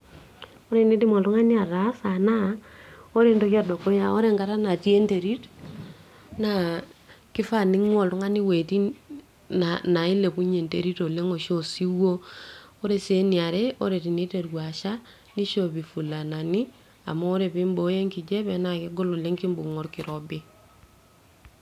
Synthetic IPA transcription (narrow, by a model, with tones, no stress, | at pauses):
o˦ɾe˨ni˦ti˦mɔ˨ltu˦ŋa˦ni˦a˨ɾa˨˦sa˨na˦o˦ɾe˨ndo˦ka˦do˨ko˦ja˦o˦ɾe˦˨ŋka˨ɾa˦na˨ti˦e˦nte˨ɾi˦t | na˨ki˦fa˦ni˦ŋwɔ˨ltu˦ŋa˦ni˦we˨ti˦ | ana˨i˦le˨ku˦ɲe˨nte˨ɾi˦to˨le˦ŋo˨ʃo˦si˦wo˦o˦ɾe˨se˦ni˨a˨ɾɛ˦o˦ɾe˨ti˨ni˦te˨ɾwa˨ʃa˦ | ni˦ʃo˨bi˨fu˨la˨na˨ni˦ | a̰˨mɔː˦ɾe˨pi˦mbo˦je˦ŋki˨d͡ʒe˦βɛ˨na˨ki˦ɡɔ˦lɔ˨le˦ŋki˦mbu˨ŋɔ˦ɾki˨ɾɔ˨bi˦